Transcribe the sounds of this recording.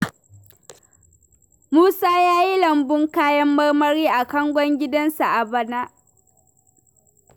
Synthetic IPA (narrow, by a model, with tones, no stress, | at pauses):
muː˦saː˦jaː˦ji˦lɐ˨mbʊ˦ŋkaː˦jɐ˦mːɐ˦rmɐ˦ɾiː˦ʔa˨kɐ˦ŋɡʷɔ˦ŋɡʲɪ˦dɐ˦nsa˨ʔa˨bɐ˦naː˦ʔ